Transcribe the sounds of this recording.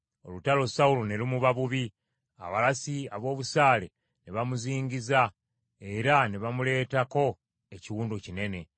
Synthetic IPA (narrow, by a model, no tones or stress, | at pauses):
o̞̰lutalo̞saulone̞lumuβaβuβi | a̰βalasiaβo̞ːβusaːle̞ | neβamuziːɲɟiza | e̞ɾaneβamule̞ːtako̞ | eciwuːndocine̞ne̞